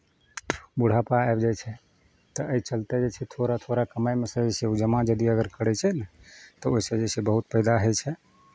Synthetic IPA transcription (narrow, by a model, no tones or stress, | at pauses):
buɽ̤apaaebd͡ʒajt͡ʃʰɛ | t̪ɔʔəit͡ʃəlt̪ed͡ʒet͡ʃʰɛt̪ʰoɾat̪ʰoɾakəmajmesə̃d͡ʒeseud͡ʒəmad͡ʒəd̪iəɡəɾkəɽɛt͡ʃʰɛnt̪ɔoisə̃d͡ʒesʰɛbəɦut̪̚pəjd̪aɦəjt͡ʃʰɛ